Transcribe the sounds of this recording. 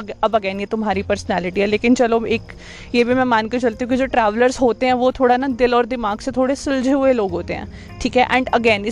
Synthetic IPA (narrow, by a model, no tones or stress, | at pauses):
ɐbɐɡɛːnjet̪ʊmɦaːɾipɐɾsnɛːlɪʈiɦɛleːkɪnt͡ʃɐloeːk | jeːbʱimɛ̃maːnket͡ʃɐlt̪iɦũkid͡ʒoːʈɾɛːʋləɾzɦoːt̪eɦɛ̃ːʋoːt̪ʰoːɽanad̪ɪlɔːɾd̪ɪmaːɡset̪ʰoːɽesʊld͡ʒʱeɦʊeloːɡɦoːt̪eɦɛ̰̃ː | ʈʰiːkɦɛʔɛ̃ːɳɖəɡɛːnɪ